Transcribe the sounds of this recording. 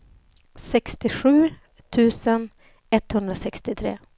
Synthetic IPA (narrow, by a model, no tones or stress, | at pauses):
sɛkst̪ɪɧʉ̟ː | t̪ʰʉ̟ːsən | ɛt̪ːhɵnd̪ɾasɛkst̪ɪt̪ʰɾḛː